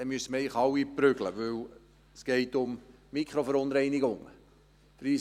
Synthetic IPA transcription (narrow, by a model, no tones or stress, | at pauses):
d̥ɛmyəsəməɛɪχɑwiprʏɡ̥ləʋɵw | sɡ̥ɛɪtʊmmikʰχɾofəɾʊnɾɛɪnɪɡʊŋə | fɾiː